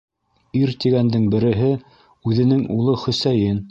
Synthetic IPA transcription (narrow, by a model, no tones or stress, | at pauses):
iɾt̪iɡænd̪ɘŋbɘ̆ɾɘ̆ɦɘ | ʉðɘ̆nɘŋulˠɤχɵ̆sæjɘn